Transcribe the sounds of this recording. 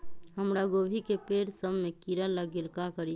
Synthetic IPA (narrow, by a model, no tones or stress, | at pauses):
ɦəmɾaɡobʱikepeɾsəbmekiɾələɡelkakəɾi